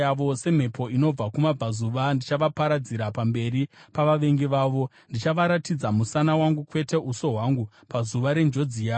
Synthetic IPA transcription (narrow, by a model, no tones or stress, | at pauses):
aʋose̞m̤e̞pʰo̞ino̞b͡vakumab͡vazuʋandit͡ʃaʋapaɾad͡ziɾapambe̞ɾipaʋaʋe̞ŋɡeʋaːʋo̞ | ndit͡ʃaʋaɾatid͡zamusanawaŋɡukwe̞te̞ʔuso̞ɦwaŋɡu | pazuʋaɾe̞nd͡ʒo̞d͡zijaː